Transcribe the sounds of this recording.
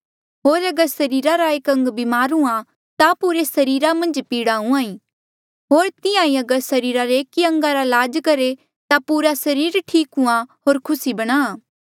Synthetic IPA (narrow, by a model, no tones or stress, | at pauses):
ɦoːɾɐɡəɾsɐɾiːɾaɾaeːkɐ̃ŋɡbɪmaːɾũã | t̪apuːɾesɐɾiːɾamɐ̃nd͡ʒpiːɽaːũãːĩ | ɦoːɾt̪ɪjãːĩɐɡəɾsɐɾiːɾaɾeeːkːiɐ̃ŋɡaɾalaːd͡ʒkɐɾe | t̪apuːɾasɐɾiːɾʈʰiːkɦũãɦoːɾkʰʊsibɐɽ̃aː